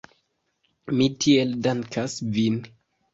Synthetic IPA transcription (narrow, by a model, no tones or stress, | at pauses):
mitʰieldaŋkʰasvin